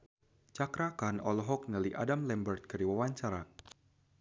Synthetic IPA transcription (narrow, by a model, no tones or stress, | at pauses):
t͡ʃakɾakanɔlɔɦɔk̚nəliʔa̰damlɛmbərt̪̚kərdiwawaɲt͡ʃaɾa